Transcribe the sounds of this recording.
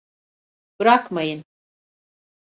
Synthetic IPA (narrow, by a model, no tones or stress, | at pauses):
bɾakʰmajin